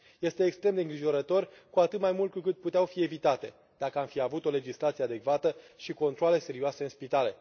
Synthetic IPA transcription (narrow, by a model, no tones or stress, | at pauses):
je̞st̪e̞ːkst̪ɾe̞md̪eɨŋɡɾiʒo̞ɾət̪o̞rkuat̪ɨt̪majmult̪̚kukɨt̪̚put̪eawfie̞vit̪at̪e̞ | d̪̥akəamfiavut̪o̞le̞d͡ʒislat̪siead̪e̞kvat̪əʃiko̞nt̪ɾoale̞se̞ɾioase̞ɨnspit̪ale̞